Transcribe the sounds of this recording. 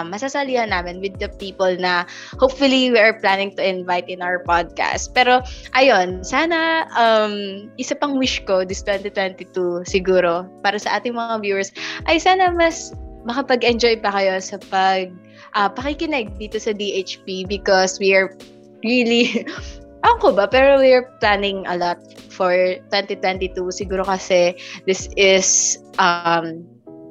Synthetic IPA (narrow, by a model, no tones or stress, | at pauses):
mːɐsasɐliːhɐnaːmɪnwɪd̪ɐpiːpɔlnɐhowpfʊliwiʔɐɹplanɪŋt̪ʊʔɪnvajt̪ɪ̃nʔawə˞pad̪̚ka̰st̪̚pɛːɾo̞ʔɐjonsaːnɐʔɐmʔɪsɐpɐŋwɪʃkod̪ɪst̪wɛnt̪it̪wɛnt̪it̪usɪɡuːɾo̞paːɾɐsɐʔaːt̪ɪŋmɐŋavjuːɛɹsʔɐjsaːnɐmɐsmɐkɐpɐɡɛnd͡ʒo̞jpɐkɐjo̞sɐpɐɡ̚ | ʔɐpɐkɪkɪnɛɡ̚d̪iːt̪osɐd̪iʔet͡ʃpibɪkɔswiɐɹ | ɹili | ʔɐŋkobɐpɛːɾowiɐɹplanɪŋɐ̰lɔt̪̚fɔɹt̪wɛnt̪it̪wɛnt̪it̪usɪɡuːɾo̞kɐsɛd̪ɪsɪsʔɐm